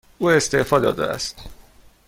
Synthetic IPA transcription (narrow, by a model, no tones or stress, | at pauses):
uːest̪eʔfɒd̪ɒ̰ːd̪ɛ̰æ̰st̪